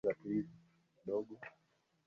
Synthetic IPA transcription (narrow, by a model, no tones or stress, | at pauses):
ati | ɗɔɡɔ